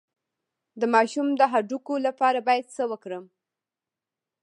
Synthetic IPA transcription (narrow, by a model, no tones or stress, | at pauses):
d̪əmɑʃumd̪əɦaɖukolapɑɾabɑjad̪səwəkɽəm